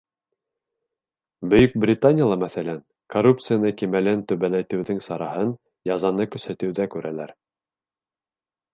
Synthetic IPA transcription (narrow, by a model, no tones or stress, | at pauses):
bɵ̆jɵk̚brʲɪt̪anʲɪjalˠɑmæθælæn | korup̚t̪sɨjanɤkimælænt̪ɵ̆βælæt̪ɘ̆wðɘŋsɑɾɑhɤn | jɑzɑnɤkɵ̆sæt̪ɵ̆wðækʉɾælæɾ